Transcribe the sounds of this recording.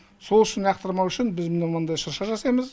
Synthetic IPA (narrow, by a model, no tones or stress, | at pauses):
so̞lˠʏʃɪnjɑqt̪əɾmɑwʏʃɪnbɪzmɪnemənd̪ɑjʃəɾʃɑʒɑsɑjməz